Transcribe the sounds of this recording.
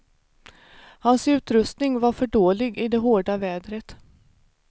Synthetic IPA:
hansʉ̟ːt̪ɾɵst̪nɪŋvaɾfœɖoːlɪɡɪd̪ɛɦoːɖavɛːd̪ɾət̪

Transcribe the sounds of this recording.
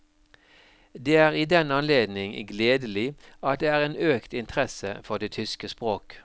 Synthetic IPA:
d̪eːæːʁiːd̪ɛnɑnleːd̪nɪŋɡleːd̪əlɪɑt̪̚d̪eːæːʁeːnøːkt̪ɪnt̪ʰəʁɛsə̰fɔʁd̪eːt̪ʰʏskəspʁoːk

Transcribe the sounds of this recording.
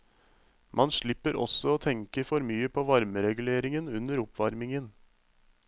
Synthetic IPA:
mʔɑnʂɭɪpːəɾʔɔ̰sɔoːt̪ʰɛŋkəfɔɾmyːəpʰoːʋɑɾməɾɛɡʉleːɾɪŋənʉnəɾʊpʋɑɾmɪŋən

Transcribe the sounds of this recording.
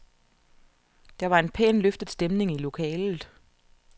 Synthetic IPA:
d̥ɑ̈ʋɑ̈e̝npʰḛːnløfd̥ð̩ˠsd̥emne̝ŋilo̝kʰɛ̰ːlð̩ˠ

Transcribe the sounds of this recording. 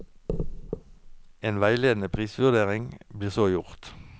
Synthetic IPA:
eːnʋæɪleːd̪n̩əpʰʁiːsʋʉʁd̪eːʁɪŋbliːʁsoːjʊʁt̪

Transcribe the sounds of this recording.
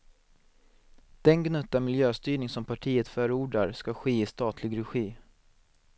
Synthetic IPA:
d̪̥ɛnɡnɵt̪ːamɪljøːst̪yːɳɪŋsɔmpʰaʈʰiːət̪fœːɾəuːɖaɾskaɧeːɪst̪ɑːt̪ʰlɪɡɾɛɧiː

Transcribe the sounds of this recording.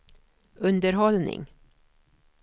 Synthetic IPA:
ʔɵnd̪əɾɦɔlnɪ̰ŋ

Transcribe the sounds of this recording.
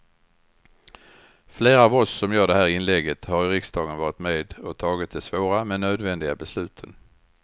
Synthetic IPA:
fleːɾaːvɔsːɔmjœːɖɛhæːɾɪnlɛɡət̪haɾɪɾɪksd̪ɑːɡənvɑːɾɪt̪meːd̪ɔt̪ʰɑːɡɪt̪̚d̪ɛsvoːɾamɛnːøːd̪vɛnd̪ɪɡabɛslʉ̟ːt̪ʰən

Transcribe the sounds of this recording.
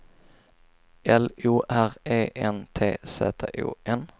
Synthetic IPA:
ʔɛluːʔæʁeːʔɛnt̪ʰḛːsḛːt̪ʰḛːʔṵːʔɛn

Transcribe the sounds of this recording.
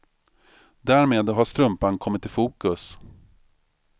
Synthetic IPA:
d̪æːɾmeːd̪ɦaʂt̪ɾɵmpankʰɔmːɪt̪ːɪlfuːkɵs

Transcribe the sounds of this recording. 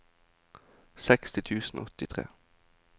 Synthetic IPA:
sɛkst̪ɪt̪ʰʉːsn̩o̰ɔt̪ɪt̪ʰʁḛː

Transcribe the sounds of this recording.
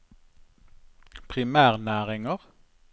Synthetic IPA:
pʰʁɪmæːʁnæːʁɪŋəʁ

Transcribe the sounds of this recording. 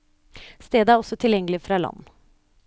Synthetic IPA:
st̪eːd̪əæɾɔsɔt̪ʰɪljɛŋːəlɪfɾɑːlɑ̰nː

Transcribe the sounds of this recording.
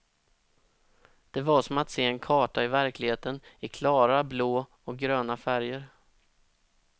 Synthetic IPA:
d̪̥ɛvaʂɔmat̪seːɛnkʰɑːʈaɪvæɾklɪɡheːt̪ənɪkʰlɑːɾabloː | ɔk̚ɡɾøːnafæɾjəɾ

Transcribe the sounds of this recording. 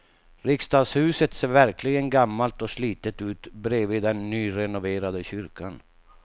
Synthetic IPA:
ɾɪkst̪ɑːd̪shʉ̟ːsət̪seːɾvæɾkʰlɪɡənɡamːalt̪ɔsliːt̪ət̪ʉ̟ːt̪bɾeːvɪd̪ɛnːyːɾɛnʊveːɾad̪əɕʏɾkʰan

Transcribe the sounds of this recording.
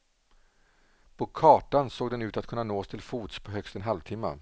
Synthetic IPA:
pʰɔkʰɑːʈansoːɡ̚d̪ɛnʉ̟ːt̪at̪kʰɵnːanoːst̪ʰɪlfuːt̪spʰɔɦœkst̪ɛnɦalvt̪ʰɪmːa̰

